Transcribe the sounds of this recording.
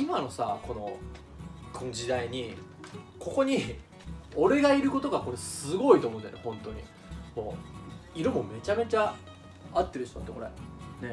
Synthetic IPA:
imano̞sa̰ko̞no̞ | kʰo̞nod͡ʑid̪aiɲ̟i | ko̞ko̞ɲ̟i | o̞ɾe̞ɡaiɾɯ̟ko̞t̪o̞ɡako̞ɾesɨɡo̞it̪o̞ːmoɯna̰nehõ̞nt̪o̞ɲ̟ḭ | mo̰ːiɾɯ̟mo̞me̞t͡ɕame̞t͡ɕa | at̪ːe̞ɾɯ̟ɕt̪oat̪ːeko̞ɾḛne̞

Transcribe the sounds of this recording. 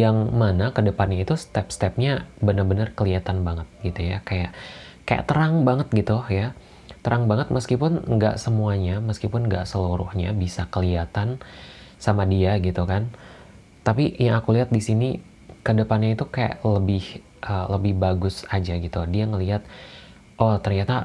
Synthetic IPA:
jaŋmanakədəpanɲait̪ust̪ɛpst̪ɛp̚ɲabənərbənərkəliat̪anbaŋət̪̚ɡit̪ujakaja̰ʔ | ka̰ja̰ʔt̪əɾaŋbaŋət̪̚ɡit̪uja | t̪əɾaŋbaŋət̪̚məskipʊnŋɡa̰ʔsəmuaɲaməskipʊnŋɡa̰ʔsəluɾʊ̰hɲabisakəliat̪ansamadiaɡit̪ukan | t̪apijaŋakuliɦat̪̚disini | kədəpanɲait̪ukaja̰ʔləbɪh | ʔələbɪhbaɡʊsad͡ʒaɡit̪udiaŋəliɦat̪̚ | ʔot̪ərɲat̪a

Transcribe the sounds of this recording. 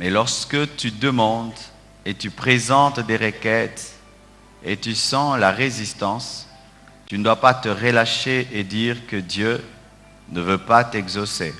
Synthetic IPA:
mɛlɔʁskət̪yd̪əmɑ̃d̪ | et̪ypχezɑ̃t̪d̪eʁəkɛt̪ | et̪ysɑ̃laʁezist̪ɑ̃s | t̪ynəd̪wapat̪əʁəlaʃeʔed̪iʁkəd̪jø | nəvøpat̪ɛɡzose

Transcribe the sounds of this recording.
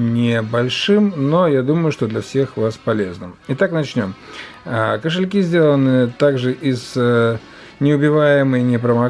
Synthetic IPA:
nʲɪbɐlʲʂɨmnojad̪uməjʊʂt̪od̪lʲɐfsʲe̞xvaspɐlʲe̞znɨmit̪aknɐt͡ɕnʲo̞m | əkəʂ̬ɨlʲk̬ʲizʲdʲelˠənɨət̪aɡʐɨʔiz̥ | nʲɪʊbʲɪvajɪmɨjnʲɪpɾəmɐ

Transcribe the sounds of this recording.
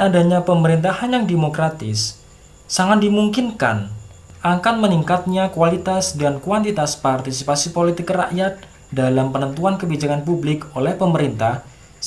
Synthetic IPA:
adaɲapəməɾint̪ahanjaŋdemokɾat̪ɪ̰sː | aŋat̪̚dimuŋkɪnka̰n | akanməniŋkat̪̚ɲakualit̪asdankuant̪it̪aspart̪isipasipolit̪ɪkraʔjat̪̚ | dalampənənt̪uankəbid͡ʒakanpublɪkolɛhpəməɾint̪ah

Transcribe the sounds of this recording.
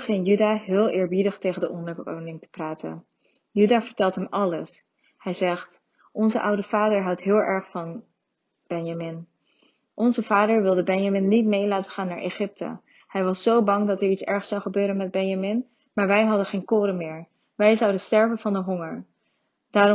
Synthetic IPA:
χɪnjydaːɦɪːlˠʔɪːɹbidəχtejχəndəʔɔndəɹbəko̰wnɪŋtə̥praːtə̰n | jydaːvəɹtɛlˠtɦɛmɑləs | hɛjzɛχt | ɔnzəʔʌwdəv̥aːdəɹɦʌwtɦɪːlˠʔɛɹχfɑn | b̥ɛnjamɪn | ʔɔnzəv̥aːdəɹʋɪlˠdəbɛnjamɪnːitmejlaːtəχaːnːaːɹʔeχɪp̚tə̰ | hɛjʋɑsːowbɑŋdɑtɛɹitsɛ̰ɹχsɑwχəbøːɾənmɛd̚bɛnjamɪn | maːɹʋɛjɦɑdənχejnkʊːɾəmɪːɹ | ʋɛjzʌwdəstɛɹvənvɑndəɦɔŋəɹ | d̥aːɾ

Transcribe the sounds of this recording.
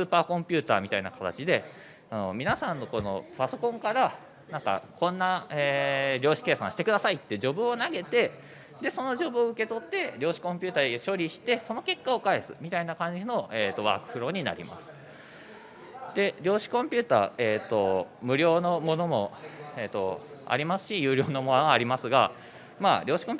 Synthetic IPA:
sɨːpaːkõ̞mpʲɨ̟ːt̪a̰ːmʲit̪aina̰kat̪a̰t͡ɕid̪e̞ | ano̞mʲinasãnːo̞kono̞̰paso̞kõ̞ŋkaɾa | nãŋka̰kʰõ̞nːaeːɾʲo̞ːɕi̥ke̞ːsã̰ɕi̥t̪ekɯ̟d̪asait̪ːe̞d͡ʑo̞bɯ̟o̞naɡe̞t̪e̞ | d̪e̞so̞no̞ʑo̞bɯ̟oɯ̟ke̞t̪o̞t̪ːe̞ɾʲo̞ːɕi̥kõ̞mpʲɨːt̪aːeɕo̞ɾʲiɕi̥t̪e̞so̞no̞ke̞kːao̞kaesɨ̰mʲit̪ainakãɲ̟d͡ʑino̞ʔeːt̪ːo̞βa̰ːkɯ̟̥ɸɯ̟ɾo̞ɲ̟ina̰ɾʲḭma̰sɨ̥ | d̪̥e̞ɾʲjo̞ːɕi̥kõ̞mpʲɨːt̪a̰ːet̪ːo̞̰mɯ̟ɾʲo̞ːno̞mo̞no̞mo̞̰eːt̪ːo̞̰a̰ɾʲimasɨ̥ɕijɯ̟ːɾʲo̞ːnomoːɾʲimasɨɡa̰ | ma̰ːɾʲʔo̞ːɕi̥kõmpʲ

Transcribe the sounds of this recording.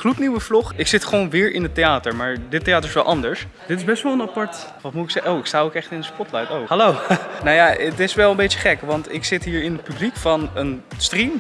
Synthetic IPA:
χlutniwəvlʊχɪksɪtχəʋownʋɪːɹʔɪnətejaːtəɹmaːɹdɪtːejaːtəɹɪsʋɛlˠʔɑndəɹs | d̥ɪtɪzbɛstʋɔlˠənapɑɹt | ʋɑtmutɪksɛowɪkstaːowkɛχtɪndəspɔtlajtowhɑlownawjaətɪsʋɛlˠəmbejt͡ʃəχɛkʋɑntɪksɪtɦiːɹɪnət̚pyblikfɑnənstrim

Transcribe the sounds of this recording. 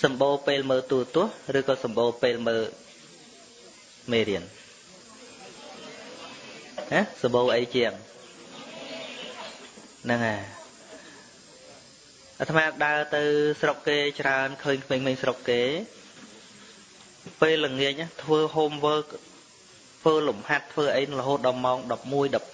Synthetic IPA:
sɑmɓoːpeːlməːt̪uːt̪ʊ̆əhrɨːkɑːsɑmɓoːpeːlməː | meːɾiən | nasɑmɓoːʔəjt͡ɕɛ̆əŋ | nɨŋaː | ʔat̪ʰmaːɗaət̪ɨwsrokːeːt͡ɕraənkʰəːɲkʰmeːŋkʰmeːŋsrokːeː | peːlːəŋiək̚ʔaːt̪ʰʋəːɦomʋəː | t̪ʰʋəːlumhat̪ʰːʋəːʔəjnɨŋrəɦoːt̪̚ɗɑlmaɔŋɗɑp̚muəjɗɑp̚

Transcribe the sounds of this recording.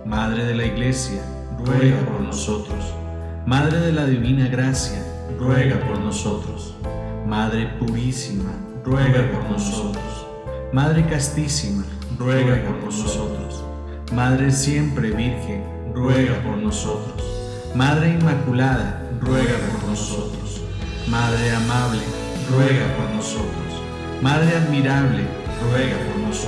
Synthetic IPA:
maðɾe̞ðe̞laiɣle̞sja | rweɣapoɾnoso̞t̪ɾos | maðɾe̞ðe̞laðiβinaɣɾasja | rweɣapoɾnoso̞t̪ɾosmaðɾe̞puɾisima | rweɣapoɾnosot̪ɾos | maðɾekast̪isima | rweɣapoɾnososot̪ɾos | maðɾe̞sje̞mpɾeβiɾxen | rweɣapoɾnosot̪ɾos | maðɾe̞inmakulaða | rweɣapoɾnosot̪ɾos | maðɾeamaβle | rweɣapoɾnosot̪ɾos | maðɾeaðmiɾaβle | rweɣapoɾnos

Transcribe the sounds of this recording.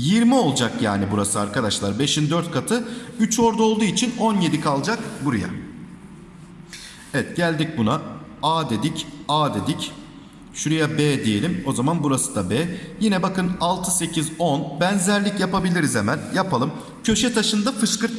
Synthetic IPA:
jiɾmio̞lˠd͡ʒakja̰ːnibuɾasɯaɾkad̪aʃlˠaɾbe̞ʃind̪øɾt̪̚kʰat̪ʰɯyt͡ʃʰo̞ɾd̪ao̞lˠd̪uːit͡ʃʰino̞nje̞d̪ikʰalˠd͡ʒakbuɾuja̰ | evɛt̪ɟælʲd̪ic̚buna | aːd̪e̞d̪icaːd̪e̞d̪ic | ʃuɾejabed̪ije̞lʲimo̞zamanbuɾasɯd̪abɛːjinɛbakɯnalˠt̪ʰɯse̞cʰizo̞nbænzæɾlʲicjapabilʲiɾizemænjapalˠɯm | cʰø̞ʃɛt̪ʰaʃɯnd̪afɯʃkɯɾt̪

